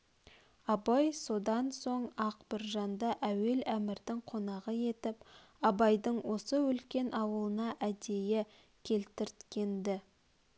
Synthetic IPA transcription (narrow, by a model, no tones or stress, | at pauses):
ɑbɑjso̞d̪ɑnso̞ɴɑqbɪɾʒɑnd̪ɑʔæwe̞læmɪɾd̪ɪŋqʰo̞nɑʁəje̞t̪ɪp | ɑbɑjd̪əɴwo̞səʏlkʲe̞nʔɑwəlˠənɑʔæd̪e̞je | kʲʰe̞lt̪ɪɾt̪kʲe̞nd̪ɪ